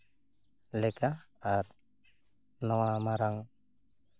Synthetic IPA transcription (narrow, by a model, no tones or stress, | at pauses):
lɪkaaɾ | nɔŋamaɾaŋ